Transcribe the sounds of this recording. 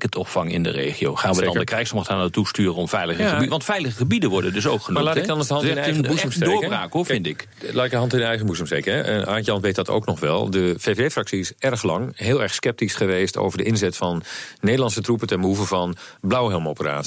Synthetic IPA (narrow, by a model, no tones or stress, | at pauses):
kətʰɔpfɑŋɪ̰ndə̰rḛːχio̰wχaːnʋəɑndəkrɛjsmɔχtaːnətːustyːrəɔmfɛjləχəʋɑntfɛjləχəχəbidəʋɔɹdədɵsowkχənmalaːtɪɡdɔnəsdəɦɑnɪɛbusmsdeɹbaːkovɪntɪk | laːtɪk̚dəɦɑntɪnənɛjχənbusəmstejkəɛʔənʔaːnjɑnʋeːt̚dɑto̰wknɔχʋɛ̰lˠdəv̥eːeːfrɑksiɪsɛrχlɑŋɦɪːlˠɛɹχskɛp̚tisχəʋeːsto̰wvəɹdəʔɪnzɛtfɑnːejdəlɑnsətrupəntɛnbəuvəvɑnblawɦɛlˠmowpəra̰ːt